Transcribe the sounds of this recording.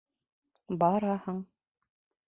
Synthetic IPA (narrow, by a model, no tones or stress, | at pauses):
bɑɾɑhɤɴ